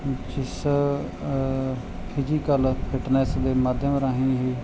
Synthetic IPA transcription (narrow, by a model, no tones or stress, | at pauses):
d͡ʒɪs | pʰid͡ʒiːkəlpʰɪʈnɛːsd̪eːmaːd̪ʱjəmɾaːɦĩːɦiː